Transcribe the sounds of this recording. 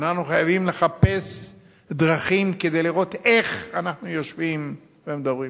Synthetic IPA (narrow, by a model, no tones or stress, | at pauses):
nanuχajavimle̞χape̞s | d̪ʁaχimked̪e̞jliʁo̞t̪e̞χanaχnujo̞ʃvim | veemd̪abʁi